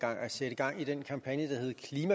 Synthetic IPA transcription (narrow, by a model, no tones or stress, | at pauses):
ɡ̥ɑ̈ŋ̰æseɾ̥əɡ̥ɑ̈ŋ̰id̥enkʰɑ̈mpʰænjəd̥ɑ̈he̝ð̞̩ˠkʰliːmæ